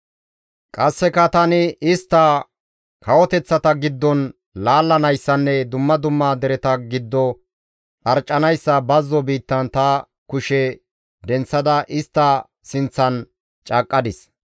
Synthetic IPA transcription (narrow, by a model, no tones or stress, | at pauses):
kʼɐsːɛkɐt̪ɐnɪɪst̪ːɐ | kʰɐwɔt̪ɛt͡sːɐt̪ɐɡɪd̪ːɔn | laːlːɐnɐjsːɐnːɛd̪ʊmːɐd̪ʊmːaːd̪ɛɾɛt̪ɐɡɪd̪ːɔ | ᶑɐɾt͡ʃʼːɐnɐjsːɐbɐzːɔbiːt̪ːɐnt̪ɐ | kʊʃɛ | d̪ɛnt͡sːɐd̪ɐʔɪst̪ːɐ | sɪnt͡sːɐn | t͡ʃʼɐkʼːɐd̪ɪs